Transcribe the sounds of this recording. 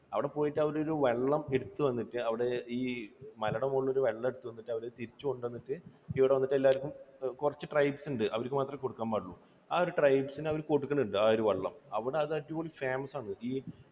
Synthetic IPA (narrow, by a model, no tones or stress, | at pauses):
ɐʋiɽe̞po̞ːjiʈːɨɐʋɐɾo̞ɾuʋe̞ɭːɐme̞ɽut̪ːuʋɐnːiʈːɨɐʋiɽe̞iːmɐlɐɽɐmuɭːoɾuʋe̞ɭːɐme̞ɽut̪ːuʋɐnːiʈːɐʋɐɾet̪iɾit͡ɕːukoɳɖʋɐnːiʈːɨiʋiɽe̞ʋɐnːiʈːe̞lːaːɾkʲːumkurɐt͡ɕːɨʈrɐjbsuɳɖɨʔɐʋɐɾkːɨmaːt̪rɐmko̞ɽukːaːnpɐɽɐɭːu | aːoɾuʈrɐjbsinɐʋɐɾkoɽukːɐnːuɳɖɨaːoɾuʋeɭːɐ̰mɐʋiɽeɐðɨɐʈːipoɭifaːmɐsaːɳɨʔiː